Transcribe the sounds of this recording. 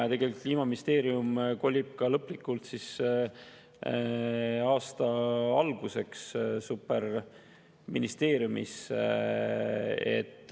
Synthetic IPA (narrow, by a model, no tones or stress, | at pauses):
t̪eɡ̥e̞lik̪liːmɑminist̪e̞ːɾjumko̞lʲːib̥̚kɑlɤpːˑlikːˑult̪sis | ɑːst̪ɑɑlɡ̥use̞kssupːer | minist̪e̞ːɾjumḭs | ḛt̪ːˑ